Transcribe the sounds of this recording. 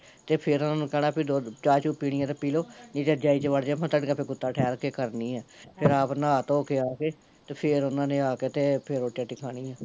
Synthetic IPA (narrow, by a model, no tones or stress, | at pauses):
t̪eːpʰɪɾʊnãːnũːkɛːñaːpid̪oːt͡ʃaːt͡ʃupiːɽɪːãːt̪epiːloːnĩːt̪eːd͡ʒaːiːt͡ʃəʋəɽd͡ʒaːmʰãːt̪aɖkapʰeːkʊt̪ːaːʈʰɛːɾkeːkəɾniːɛːpʰɪɾaːpnaːt̪ooːkeːaːkeː | t̪eːpʰɪɾʊnãːnẽːaːkeːt̪eːpʰeɾoːʈjãːʈɪkʰaːɽ̃iːɦɛː